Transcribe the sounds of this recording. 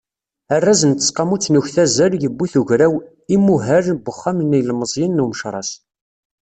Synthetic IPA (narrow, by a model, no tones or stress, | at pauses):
ərːæzənt̪ːə̥sqɑmut͡sːnuçθæzəɾjəbːiθuʝɾæw | imːuɦæɾbəχːamnijlməzˤjənːuməʃɾˤɑs